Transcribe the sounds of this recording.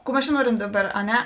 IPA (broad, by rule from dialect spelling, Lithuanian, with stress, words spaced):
ˈkuː ˈmʲɛs ˈt͡ʃʲɛ ˈnuɔrʲɛm ˈdɑːˌbɐr ɐ ˈnʲɛ